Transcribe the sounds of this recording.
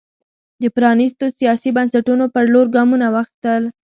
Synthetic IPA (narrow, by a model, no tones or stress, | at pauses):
d̪əpɾɑnɪst̪osijɑsibansaʈunopəɾloɾɡɑmunawaxi̥st̪əl